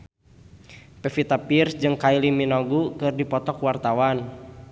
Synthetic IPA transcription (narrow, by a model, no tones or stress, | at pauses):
pɛfit̪apirsd͡ʒɨŋkailiminɔɡukɨrdipɔt̪ɔkwart̪awan